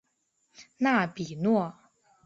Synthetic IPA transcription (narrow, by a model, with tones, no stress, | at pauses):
na˥˩pi˨˩nwɔ˥˩